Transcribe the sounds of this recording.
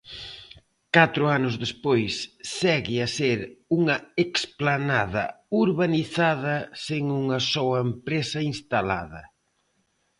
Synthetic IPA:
kat̪ɾʊanʊzðespojsːɛɣɪaseɾuŋɐeksplanaðɐ̰uɾβaniθaðɐseŋuŋɐsɔɐempɾesɐinst̪ala̰ðɐ

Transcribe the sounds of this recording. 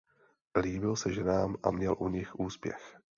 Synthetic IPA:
liːbɪlsɛʒɛnaːmʔa̰mɲɛlʔuɲɪxʔuːspjɛ̰x

